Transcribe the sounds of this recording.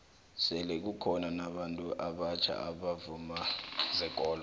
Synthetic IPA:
sɛlɛk̬ukʰɔnanaɓantʼuʔaɓat͡ʃʰa̰aɓavumazɛk̬ʼɔːlɔ

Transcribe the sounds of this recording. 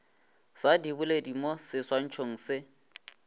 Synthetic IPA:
sadibuledimosɪswan̩t͡ʃʰoŋ̩ːsɪ

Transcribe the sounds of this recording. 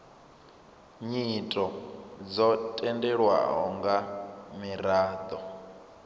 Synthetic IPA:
ɲitʼɔd͡zɔtʼɛndɛɺwa̰ɦɔ̰ŋɡamiɾaːd̪ɔ

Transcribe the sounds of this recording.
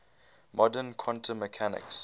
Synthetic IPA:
mɔdənkʰɔ̃ntʰəməkʰanɪ̰ks

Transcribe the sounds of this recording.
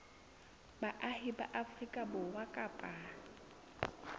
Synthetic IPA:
baʔahɪba̰ʔafrikʼabʊwakʼapʼa

